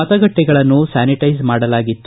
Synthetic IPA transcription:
ɐt̪ɐɡɐʈːɛɡɐɭɐnːusaːniʈɐjsmaːɽɐlaːɡit̪ːu

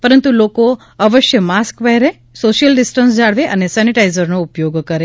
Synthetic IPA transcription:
pəɾənt̪uloko | əʋəʃjəmaskbəɦɛɾe | soʃjəlɖɪsʈənsd͡ʒaɽʋeʔənesɛniʈaizəɾnoupjoɡkəɾe

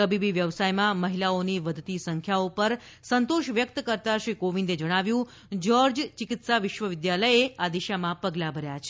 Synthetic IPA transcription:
əbibiʋjəʋsajmãməɦilaoniʋəd̪ʱt̪isəŋkʰjaopəɾ | sənt̪oʃʋjək̚t̪kəɾt̪aʃɾikoʋĩnd̪ed͡ʒəɽ̃aʋjũ | d͡ʒoɾd͡ʒt͡ʃɪkɪt̪saʋɪʃʋəʋɪd̪jaləjead̪iʃamãpəɡlabʱəɾjat͡ʃʰe

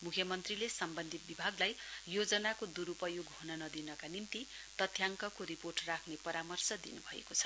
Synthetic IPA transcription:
mukʰjʌmʌnt̪rilesʌmbʌnd̪ʱit̪̚bibʱaɡlajjod͡zʌnakod̪uɾupʌjoɡɦonʌnʌd̪inʌkanimt̪i | t̪ʌt̪ʰjaŋkʌkoɾiporʈrakʰnepʌɾamʌrsʌd̪ḭnubʱʌḛkot͡sʰʌ̥

